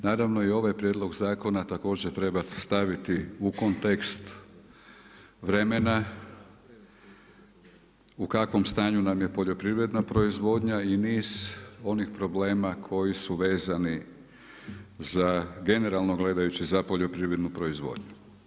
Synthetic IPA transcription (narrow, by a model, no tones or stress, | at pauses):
naːɾaʋno̞io̞ʋajpɾjed̪lˠo̞ɡzaːko̞nat̪ako̞ːd͡ʑet̪ɾe̞bast̪aʋit̪iuko̞nt̪ekst̪ | ʋɾe̞mena | ukakʋo̞mst̪aːɲunamje̞po̞ʎo̞pɾiʋɾe̞d̪napɾo̞izʋo̞ːd̪ɲainiːz̥o̞nixpɾo̞ble̞ːmakʰo̞jisuʋe̞ːzani | zaɡe̞ne̞ɾalˠnoɡle̞d̪ajut͡ɕizapo̞ʎo̞pɾiʋɾe̞d̪nupɾo̞izʋo̰ːd̪ɲu